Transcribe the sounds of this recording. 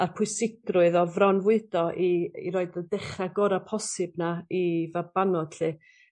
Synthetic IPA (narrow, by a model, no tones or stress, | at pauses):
arpʰʊɨsɪɡrʊɨðɔvrɔnvʊɨd̥ɔʔiḭɾoːɨdədɛχraɡɔɾapʰɔsɨbnaivabanɔd̥ɬiː